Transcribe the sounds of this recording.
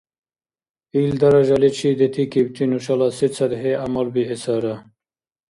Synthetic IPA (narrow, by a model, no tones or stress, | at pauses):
ild̪ɐɾɐʒɐlit͡ɕʰid̪et̪ʰikibt̪ʰinuɕɐlasit͡sʰɐd̪ɦeamɐlbiesaɾa